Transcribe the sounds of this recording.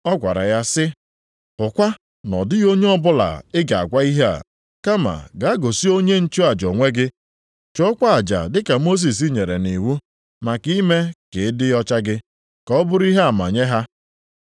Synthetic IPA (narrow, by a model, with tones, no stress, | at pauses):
ɔ˦ɡʷa̰˨ɾa̰˨ja˦sɪ˦ | pʊ˨kʷa˦ | nɔ̰˨dɪ˦ɣo˦ɲe˦ɔ˦bʊ˦la̰˨ɪ˦ɡa˨a̰˨ɡʷa˦i˦ɦe˦a̰˨ | ka˦ma̰˨ɡa˨a˦ɡo˨si˦o˦ɲe˦n̩˦t͡ʃo˦a˨d͡ʒo˨ŋʷe˦ɡɪ˦ | t͡ʃɔ˦ɔ˦kʷa˦a˨d͡ʒa̰˨dɪ˦ka˨mo˦s̬i˨s̬i˦ɲe˨ɾe˨ni˨wu˦ | ma˨ki˦me˦kɪ˨ɪ˦dɪ˦ɔ˦t͡ʃa˦ɡɪ˦ | kɔ˦bʊ˦ɾi˦ɦa˦a˨ma̰˨ɲe˦ɦa˦